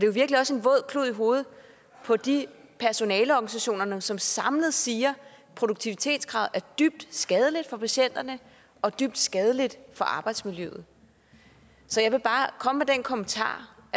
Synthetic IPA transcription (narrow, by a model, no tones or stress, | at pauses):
ɒd̥e̝joʋiɐɡ̥liɒ̽se̝nʋɔ̽ð̞̰ˠkʰluð̰ˠiɦo̝ːð̞̩ˠ | pʰɒ̽d̥ipʰæɐso̝nɛːləɒɡ̥ænisæɕo̝̰ːnɐnəsɒ̽msɑ̈mləð̞̩ˠsiːɐ | pʰʁoɾuɡ̥̚t͡sʰiʋit͡sʰe̝̰ːd̥sɡ̥ʁɑ̈ːð̩̰ˠæɐd̥yb̥̚d̥sɡ̥ɛð̞ˠəlid̥fɒ̽pʰæɕen̰d̥ɐnə | ʔɒ̽d̥yb̥d̥sɡ̥ɛð̞ˠəlid̥fɒ̽ʔɑ̈ːb̥ɑ̈ɪd̥smiljø̰ːð̩ˠ | sɒ̽jɑ̈ɪʋe̝b̥ɑ̈ːkʰɒ̽məmed̥enkʰɒ̽mənt͡sʰɑ̰̈ː